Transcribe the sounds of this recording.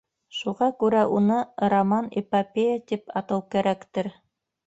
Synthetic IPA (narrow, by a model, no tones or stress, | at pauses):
ʃuʁɑkʉɾæʔunɤɾomɑnḛpapʲejat̪ipɑt̪ɤwkæɾækt̪ɘɾ